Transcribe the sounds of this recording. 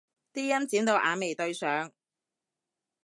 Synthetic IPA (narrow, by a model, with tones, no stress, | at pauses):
t̪iː˥jɐ˥nt͡siː˨˥mt̪o˨˧wʔaː˨˧me˨jt̪ɵ˧ɥsœː˨˥ŋ